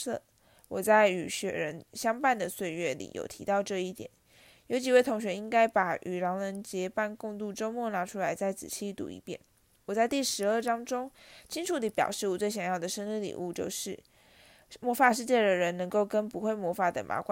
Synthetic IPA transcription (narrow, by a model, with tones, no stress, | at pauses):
ɤ̰˥˩ | wɔ˨˩t͡sa˥˩ɪy˨˩ɕɥɛ̰˨˩ɻə˧˥nɕjɑ˥ŋpa˥˩nd̪ə˩swe˥˧ɪɥɛ˥˩lḭ˨˩jo̰˨˩ʊt̪ʰḭ˧˥t̪ɑ˥˧ʊʈ͡ʂɤ˥˧i˥˩t̪jɛ̰˨˩˦n | jo˧˥t͡ɕi˨˩we˥˩ɪt̪ʰʊ˧˥ŋɕ̬ɥɛ˧˥i˥ŋka˥ɪpa˨˩ʔy˨˩ɻɑ˧˥ŋlə˧˥nt͡ɕjɛ˧˥pa˥˧nkʊ˥˧ŋt̪u˥˩ʈ͡ʂo˥ʊmwɔ˥˩na˧˥ʈ͡ʂʰu˥la˧˥ɪt͡sa˥˩ɪt͡sɹ̩̰˨˩t͡ɕʰi˥t̪ṵ˧˥ḭ˧pjɛ̰˥˩n | wɔ˨˩t͡sa˥˧ɪt̪i˥˩ʂɻ̩˧˥ə˞˥˩ʈ͡ʂɑ˥ŋʈ͡ʂʊ˥ŋt͡ɕʰi˥ŋʈ͡ʂʰu˨˩d̪ə˧˥pjɑ̰˨˩ʊʂɻ̩˥˩wɔ˨˩t͡swe˥˩ɪɕjɑ˨˩ŋjɑ˥˩d̪ə˩ʂə˥nli˥˩lḭ˨˩u˥˧t͡ɕjo̰˥˧ʊʂɻ̩˥˩ | mwɔ˥fa˥˧ʂɻ̩˥˧t͡ɕjɛ˥˩d̪ə˩ɻə˧˥nnɤ˧˥ŋko˥˩ʊkə˥npu˧˥xwe˥˩ɪmwɔ˧˥fa˨˩d̪ə̰˨mʔa̰˧˥kwa˥˦